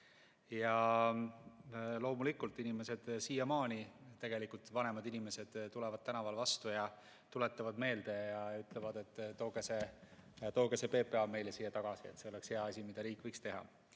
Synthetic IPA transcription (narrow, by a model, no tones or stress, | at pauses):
jɑ | lo̞ːmulikːˑult̪ːˑinime̞se̞d̪̥sijɑmɑːnʲit̪ːe̞ɡ̥e̞likˑult̪vɑne̞mɑd̪inime̞se̞d̪̥t̪ːulɛvɑd̪̥̚t̪ænɑvɑlvɑst̪ujɑ | t̪ule̞t̪ːˑɑvɑd̪me̞ːld̪̥e̞jɑyt̪ˑlevɑd̪e̞t̪ˑːo̞ːɡ̥eset̪oːɡ̥esepe̞ːpe̞ɑme̞jlesiːɑt̪ɑɡ̥ɑsie̞t̪seo̞le̞ksheɑɑsʲimid̪̥ɑɾiːkˑːvɤjkst̪e̞ɦɑ̰